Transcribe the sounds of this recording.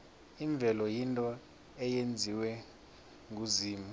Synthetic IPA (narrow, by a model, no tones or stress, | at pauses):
iɱb̪vʱɛlɔjintʼɔ | ɛjend͡zʱiwɛ | ŋʱuziːmu